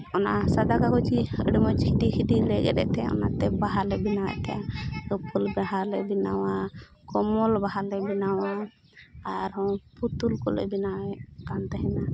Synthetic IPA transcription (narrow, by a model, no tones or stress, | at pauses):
ɔnasad̪akakɔt͡ʃiə̰ɖɛmɔt͡ʃhidihidilɛɡɛ̰ɗɛ̰ʔt̪ɛɔ̰na̰t̪ɛbaɦalɛbinawɛ̰ʔt̪ɛjalɔpulbɛɦalɛbina̰wa | kɔmɔlbaɦalɛbinawaː | ɾɦɔ̃put̪ulkɔlɛ̰binawɛʔkant̪ɛɦɛna